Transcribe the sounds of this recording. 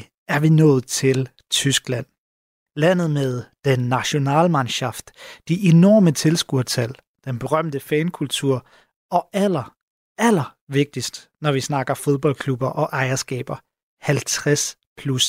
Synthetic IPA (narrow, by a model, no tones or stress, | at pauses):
æɐʋinɔ̰̽ːð̩ˠt͡sʰe̝l | t͡sʰysɡ̥læn̰ | læn̰ð̞̩ˠmeð̞ˠd̥enːæɕo̝nɛ̰ːlmænɕɑ̈fd̥ːiʔenɒ̰ːmət͡sʰe̝lsɡ̥uɐ̰t͡sʰæl̰ | d̥enb̥e̝ʁɶm̰d̥əfɛːnkʰult͡sʰuɐ̰ | ɒ̽ælɐ | ælɐʋe̝ɡ̥̚d̥isd̥nɒʋisnɑ̈ɡ̥ɐfo̝ð̞ˠb̥ɒ̽l̰kʰlub̥ɐʔɒ̽ʔɑ̈ɪɐsɡ̥ɛ̰ːb̥ɐ | hælt͡sʰʁas | pʰlus